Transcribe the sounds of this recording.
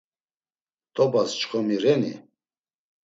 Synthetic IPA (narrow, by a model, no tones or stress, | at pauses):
t̪ʼɔbast͡ʃχɔmiɾɛnḭ